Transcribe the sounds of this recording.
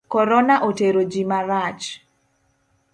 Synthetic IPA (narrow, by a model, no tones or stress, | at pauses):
kɔɾɔnaʔoteɾod͡ʒimaɾat͡ʃ